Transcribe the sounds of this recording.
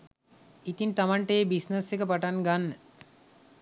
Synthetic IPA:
it̪int̪amaɳʈəjebisnəsekəpaʈanɡanːə

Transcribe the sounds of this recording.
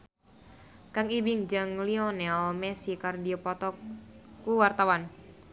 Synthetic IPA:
kaŋibiŋd͡ʒɨŋliɔnɛlmɛsikardiɔpɔt̪ɔkuwart̪awan

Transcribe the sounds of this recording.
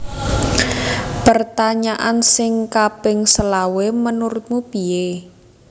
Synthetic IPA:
pərt̪aɲaʔansɪŋkapɪŋsəlawemənuɾʊt̪̚mupie

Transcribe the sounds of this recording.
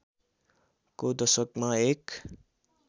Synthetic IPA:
kod̪ʌsʌkmaek

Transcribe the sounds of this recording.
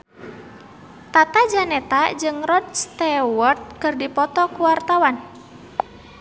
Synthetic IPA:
t̪at̪ad͡ʒanɛt̪ad͡ʒɨŋrɔd̚st̪ɛwɔrt̪̚kɨrdipɔt̪ɔkuwart̪awan

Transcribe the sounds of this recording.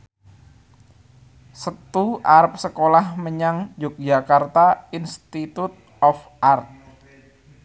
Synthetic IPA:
sət̪uʔaɾp̚səkolahməɲaŋd͡ʒʊk̚d͡ʒakart̪ainst̪it̪ut̪̚ | ɔf | ʔart̪̚

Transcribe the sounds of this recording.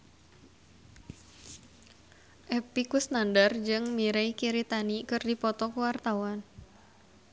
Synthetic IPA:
ʔɛpikʊsnandard͡ʒɨŋmiɾejkiɾit̪anikɨrdipɔt̪ɔkuwart̪awan

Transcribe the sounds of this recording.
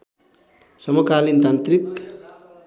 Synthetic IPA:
sʌmokalint̪ant̪rik

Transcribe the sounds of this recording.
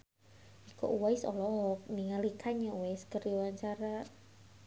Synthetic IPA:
ikɔ̰ʔuwaisɔlɔk̚niŋalikʰaɲauwajskərwaɲt͡ʃaɾa

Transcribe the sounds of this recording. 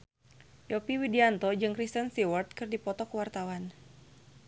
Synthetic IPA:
jɔpiwidiant̪ɔd͡ʒɨŋkɾist̪ənsiwərt̪̚kɨrdipɔt̪ɔkəwart̪awan

